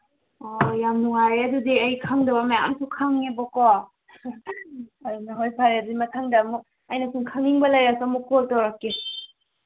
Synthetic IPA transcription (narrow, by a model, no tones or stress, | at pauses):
ojamnuŋaɾeɐdudiɐjkʰaŋdɐbɐmajaa̰msʰukʰaŋnebɔkɔ | ɐdunɐɦojpʰaɾeɐdudimɐtʰaŋdɐmu | ɐjnɐsuŋkʰaŋiŋbɐlajɾasɔmukotɔɾakːi